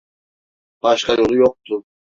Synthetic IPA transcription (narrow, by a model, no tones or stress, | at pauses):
b̥ɑʃqɑjolˠujoq̚t̪ʊ